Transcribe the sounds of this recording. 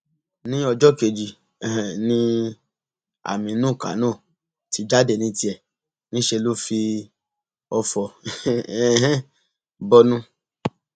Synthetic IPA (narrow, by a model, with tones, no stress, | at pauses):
nĩ˦ɔ˧d͡ʒɔ˦ke˨˧˨d͡ʒi˨ | nĩ˦ | a̰˨mĩ˨˧˦nũ˦˨ka̰˨˦nɔ̃ː˦˨ | ti˨˧d͡ʒa˦dɛ˨nĩ˨˧˦ti˧ɛ˨ | nĩ˦ʃe˧lo˦fi˧ | ɔ˧fɔ˨˦ | bɔ˦nũ˦